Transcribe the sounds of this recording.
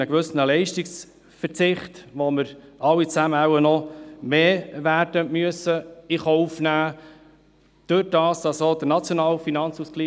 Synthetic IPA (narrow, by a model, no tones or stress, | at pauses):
əɡʋɵsənəlɛɪʃtiks | fəɾt͡sɪχtʋoməɾɑwit͡sæməæwənɔmeːvæːɾdəmyəsəiχɔufnæː | d̥øɾd̥ɑːsdɑsod̥̪ənɑt͡sjonɑːwfinɑnt͡suskliː